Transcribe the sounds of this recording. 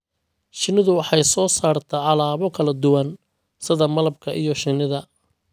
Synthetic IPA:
ʃɪnɪðʊwɑħɑjsɔːsaːrt̪ʰɐʕɑlaːβɔkʰɐlɐd̪ʊwɐn | sɪðɐmɐlɐb̚kʰɐʔijɔʃɪnɪðɐ

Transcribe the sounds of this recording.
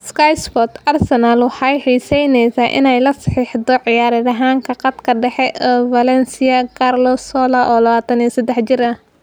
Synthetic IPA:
skajspɔt̪ɐrsɛnalwɑħɑjħiːsɛjnɛjsaːʔɪ̰nɛjlɐsɑ̥ħiːħd̪ɔʕɪjaːɾɐðɐɦaːŋkʰɐqɑd̪kʰɐɖɛħɛʔɔvɐlɛnsɪɐkʰarlɔsɔːlɐʔɔːlɐβaːt̪ʰɐnisɐd̪ɛħt͡ʃɪɾɐ

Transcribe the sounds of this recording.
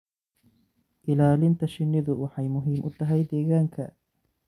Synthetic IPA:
ʔɪlaːlɪnt̪ʰɐʃɪnːɪðʊwɑħɑjmʊɦiːmʔʊt̪ʰɐɦɛjd̪ɛːɣaːŋkʰɐ̰

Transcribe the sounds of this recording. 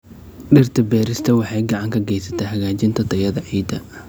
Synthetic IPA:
ɖɪrt̪ʰɐbɛːɾɪst̪ʰɐwɑħɑjɡɑʕɑŋkʰɐɡɛjsɐ̥t̪ʰɐɦɐɣaːt͡ʃɪnt̪ʰɐt̪ʰɐjɐðɐʕiːd̪ɐ̰

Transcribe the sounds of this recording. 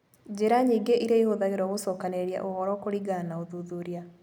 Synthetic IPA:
d͡ʑeɾaɲiːɡeʔiɾaihoðaɣeɾɔɣosɔːkaneɾja̰ʔohɔɾɔkoɾiɡanaoðuðuɾia

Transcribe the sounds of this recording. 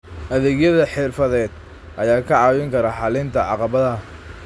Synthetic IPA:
ʔɐðɛːɡjɐðɐħɪrfɐðɛːd̪̥̚ | ʔɐjaːkʰɐʕɑːwɪŋkʰɐɾɐħɑlɪnt̪ʰɐʕɑqɑβɐðɐ

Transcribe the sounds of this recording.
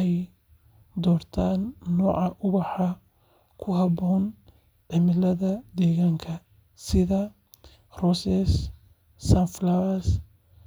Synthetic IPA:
ɛj | d̪ɔːrt̪ʰaːnːɔːʕɑʔʊβɑħɑ | kʰʊɦɑβɔːn | ɖ̥ɐmɪlɐðɐd̪ɛːɣaːŋkʰɐ | sɪðɐ | rɔsɛsː | anflawɐs

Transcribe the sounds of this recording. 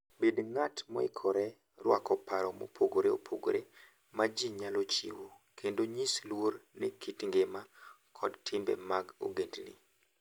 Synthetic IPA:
bedŋatmɔ̰ḭkʰɔɾɛ | rwa̰kɔpaɾɔmo̰pʰoɡoɾeo̰pʰoɡoɾe | mad͡ʒiɲalɔt͡ʃḭwo | kʰendoɲislwornekʰitŋɡema | kʰɔdtʰɪmbɛ̰maɡo̰ɡendnḭ

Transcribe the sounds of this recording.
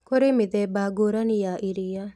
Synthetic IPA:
koɾemɪd̪ɛbaɡoɾanijaʔiɾija

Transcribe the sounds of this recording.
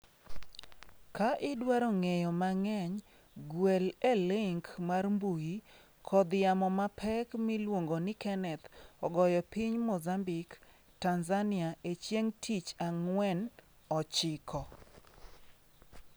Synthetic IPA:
kaʔɪdwaɾɔŋejɔmaŋɛɲ | ɡwelelɪŋkmarmbuji | kʰɔd̪jamɔmapʰɛkmɪlwoŋɡonɪkɛnɛt̪ɔɡɔjɔpiɲmozambɪk | tanzanɪaʔet͡ʃjeŋtʰit͡ʃaŋwɛn | ɔt͡ʃɪkʰɔ

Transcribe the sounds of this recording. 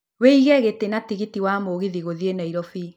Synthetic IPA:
weiɣɛɣetenatiɣitiwamoɣiðiɣoðienaiɾɔfi

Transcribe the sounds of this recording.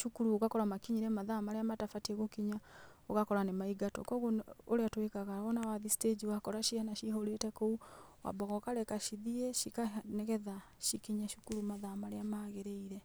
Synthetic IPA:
ʃukuɾuoɣakɔɾamakiɲiɾemaðamaɾeamatafatieɣokiɲaoɣakɔɾanemaiɡatɔ̰kɔɣooɾeatwekaɣawɔnawaðisted͡ʒiwakɔɾaʃihanaʃihoɾetɛkouwa̰bɔɣɔkaɾɛkaʃiðieʃikanɛɣɛða | ʃikiɲaʃukuɾumaðamaɾeamaɣeɾeiɾe

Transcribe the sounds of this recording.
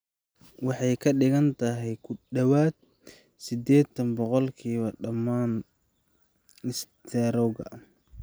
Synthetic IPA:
wɑħɑjkʰɐɖɪɣɐnt̪ʰɐɦɛjkʰʊɗɐwaːd̪̚ | sɪd̪ɛːt̪ʰɐnbɔqɔlkʰiːβɐɖɐmːaːn | ɪst̪ʰɛɾɔɣɐ̰

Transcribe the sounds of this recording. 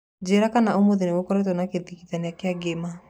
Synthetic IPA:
d͡ʑeɾakanaomoðeneokɔɾet̬ɔnakeðikiðaneakeaɡema

